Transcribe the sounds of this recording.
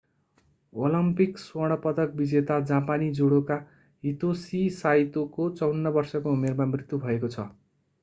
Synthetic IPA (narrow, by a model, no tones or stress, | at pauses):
olʌmpikswʌɽ̃ʌpʌd̪ʌk̚bid͡zet̪ad͡zãpanid͡zoɽoka | ɦit̪osisajt̪okot͡sʌwnːʌbʌrsʌkoumermamrit̪ːjubʱʌekot͡sʰʌ̰